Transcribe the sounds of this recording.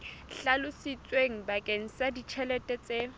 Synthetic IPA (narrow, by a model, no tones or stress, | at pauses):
ɬalʊsit͡sʼweŋ̩bakʼeŋ̩sadit͡ʃʰɛlɛtʼɛt͡sʼe